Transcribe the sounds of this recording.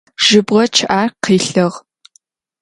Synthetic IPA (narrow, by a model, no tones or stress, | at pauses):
ʒ̥ɪbʁɐt͡ʃʰɪʔaːrqiːɬɐʁ